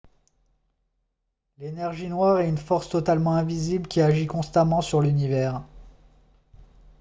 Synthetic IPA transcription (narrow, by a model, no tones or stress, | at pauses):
lenɛʁʒinwaʁɛt̪ynfɔʁst̪ɔt̪almɑ̃ɛ̃viziblkʲiaʒikɔ̃st̪amɑ̃syʁlynivɛːʁ